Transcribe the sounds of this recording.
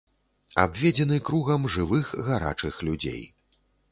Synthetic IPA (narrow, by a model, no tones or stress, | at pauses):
a̰bvʲɛd͡zʲɛn̪ɨkɾuɣɐmʐɨvɨxɣaɾa̰t͡ʂɨxlʲud͡zʲḛj